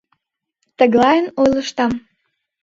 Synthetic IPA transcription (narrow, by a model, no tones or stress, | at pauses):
t̪əɣlɑjənojləʃt̪ɑm